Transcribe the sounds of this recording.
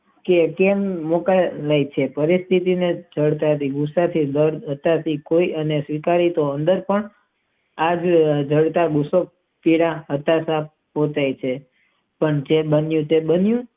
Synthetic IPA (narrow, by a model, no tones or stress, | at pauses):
kekemːokalajt͡ʃʰepəɾist̪ʰit̪ined͡ʒʱəɽt̪aət̪iɡusat̪ʰid̪əɾɦət̪at̪ʰikoiʔənesʋikaɾit̪oənd̪əɾpəɳ | ad͡ʒd͡ʒʱəɽt̪aɡusok̚ | piɽaɦət̪asap | pot͡ʃajt͡ʃʰe | pəɳd͡ʒebənjũt̪ebənjũ